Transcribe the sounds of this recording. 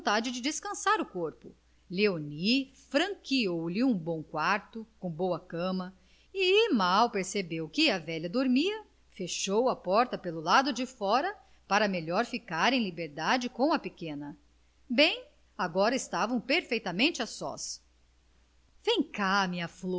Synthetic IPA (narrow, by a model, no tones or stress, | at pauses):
t̪ad͡ʒɪd͡ʒɪd͡ʒɪskɐ̃saɾʊkoɾpʊ | leonifɾɐ̃ŋkiowlɪũbõw̃kwaɾt̪ʊkõw̃bowɐkɐ̃mɐ | ɪmawpeɾsebewkɪɐvɛʎɐd̪oɾmiɐ | feʃowɐpɔɾt̪ɐpelʊlad̪ʊd͡ʒɪfɔɾɐ | paɾɐmeʎɔɾfikaɾẽj̃libeɾd̪ad͡ʒɪkõw̃ɐpekẽnɐ | bẽj̃ | aɡɔɾɐɪst̪avɐ̃w̃peɾfejt̪ɐmẽnt͡ʃɪasɔ̰s | vẽj̃kamɪɐflo